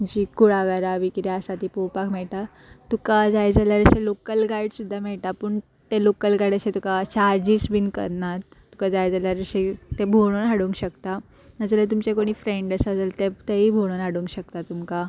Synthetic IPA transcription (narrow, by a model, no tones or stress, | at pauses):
d͡ʑikuɽaɡaɾaʋikɾiasat̪ipopakmɛɭʈ̪a | t̪ukad͡zajd͡zaljaɾəɕelokəlɡajɽsud̪ʱːamɛɭʈ̪apəɳ | t̪elokəlɡaɽəɕẽt̪ukat͡ɕaɾd͡ʑisbinkə̰ɾɳat̪ːu̥kad͡zajd͡zaljaɾəɕet̪ebʱoɽ̃onɦaɽũŋkɕəkt̪a | əd͡zəlet̪umt͡ɕekoɽ̃iːfɾẽɳɖəsad͡zəlt̪et̪eibʱoɽ̃onɦaɽũŋkɕək̚t̪at̪umka